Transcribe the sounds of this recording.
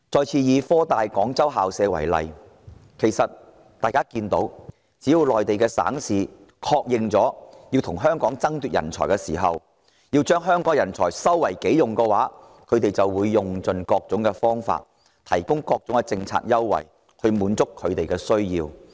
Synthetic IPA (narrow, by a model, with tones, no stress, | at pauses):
t͡sɔː˨˧jt͡sʰiː˧jiː˨˧fɔː˥t̪aː˨jkɔː˨˥ŋt͡sɐ˥wɦaː˨wsɛː˨˧wɐ̰˨˩jlɐ̰˨j | kʰe˨˩jsɐ˨t̚ | t̪aː˨jkaː˥kiː˧nt̪o˨˥w | t͡siː˨˥jiː˨˧wlɔː˨jt̪e˨jkɛː˧sa̰ː˨˥ŋsiː˨ | kʰɔː˧k̚jɪ˨ŋt͡sɔː˨˥jiː˧wt̪ʰʊ˨˩ŋɦœː˥ŋkɔː˨˥ŋt͡sɐ˥ŋt̪yː˨t̚jɐ̰˨˩nt͡sʰɔː˨˩jkɛː˧siː˨˩ɦɐ˨w | jiː˧wt͡ʃœː˥ŋɦœː˥ŋkɔː˨˥ŋjɐ˨˩nt͡sʰɔː˨˩jsɐ˥wːɐ˨˩jke˨˥jjʊ˨ŋkɛ˧waː˨˥ | kʰɵ˨˧t̪e˨jt͡sɐ˨wːuː˨˧jːʊ˨˩ŋt͡sɵ˨˧nkɔː˧k̚t͡sʊ˨˥ŋkɛ˧fɔː˥ŋfa̰ː˧t̚ | t̪ʰɐ˨˩jkʊ˥ŋkɔː˧k̚t͡sʊ˨˥ŋkɛ˧t͡sɪ˧ŋt͡sʰa̰ː˧t̚jɐ˥wːɐ̰˨˩j | hɵ˧ɥmuː˨˧nt͡sʊ˥kʰːɵ˨˧ɥt̪e˨jkɛ˧sɵ˥ɥjiː˧w